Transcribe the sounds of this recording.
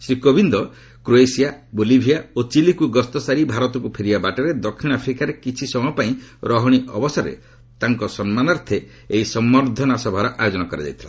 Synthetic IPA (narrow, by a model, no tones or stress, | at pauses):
sɾikobʱind̪ɔ | kɾoesijabolibʱijaot͡ʃilikuɡɔst̪ɔsaɾibʱaɾɔt̪ɔkupʰeɾibabaʈeɾed̪ɔkʰːiɽ̃apʰɾikaɾekit͡ʃʰisɔmɔpaĩɾɔɦɔɽ̃iʔɔ̰bɔsɔɾḛ | t̪aŋkɔsɔnmanɔɾt̪ʰeː | isɔmːɔɾd̪ʱɔnasɔbʱaɾɔʔajod͡ʒɔnɔkɔɾed͡ʒa̰jt̪ʰila